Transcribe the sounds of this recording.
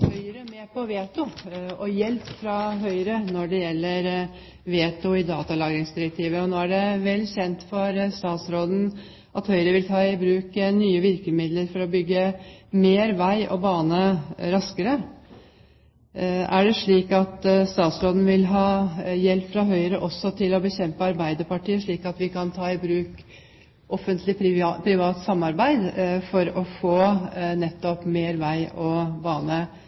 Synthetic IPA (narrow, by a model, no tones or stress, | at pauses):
hœʏəɾəmeːpɔʋeːt̪ʊɔjɛlpfɾɑɦœʏəɾənɔɖɛjɛlːəɾ | ʋeːt̪ʊɪd̪ɑːt̪ɑlɑːɡɾɪŋsd̪ɪɾək̚t̪ʰiːʋəɔnoːæɖɛʋɛlːɕɛnt̪fɔɾst̪ɑːt̪sɾoːd̪n̩ | ʔɑt̪hœʏəɾəʋɪlt̪ʰɑːɪbɾʉːknyːəʋɪɾkəmɪd̪ləɾfɔɾɔbʏɡːəmeːɾʋæɪʔɔ̰bɑːnəɾɑskəɾə | æ̰ɖɛʂɭiːkɑt̪st̪ɑːt̪sɾoːd̪n̩ʋɪlɦɑːjɛlpːfɾɑɦœʏəɾəʔɔsːɔt̪ʰɪlɔbəçɛmpəɑɾbæɪd̪əpɑʈiːəʂɭiːkɑt̪ʋɪkɑnt̪ʰɑːɪbɾʉːk | ʔɔfənt̪lɪpʰɾɪʋɑːt̪sɑmːɑɾbæɪd̪fɔɾɔfoːnɛt̪ːɔpmeːɾʋæɪɔbɑːnə